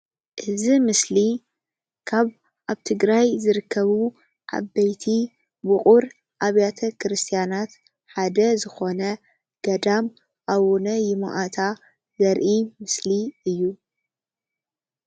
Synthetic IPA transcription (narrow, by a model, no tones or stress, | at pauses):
ʔɨzimɨsli | kʰaβ | ʔaβt̪ʰɨɡɾajzɨɾɨkʰːɐβu | ʕa̰bːɐjt̪ʰi | bɨχʼuɾ | ʔaβjat̪ʰɐkɨɾɨst̪ʰijanat̪ | ħad̪ɐzɨxo̞nɐ | ɡ̥ɐd̪am | ʔawunɐjɪma̰ʔat̪ʰa | zɐɾʔimɨsliɨjːu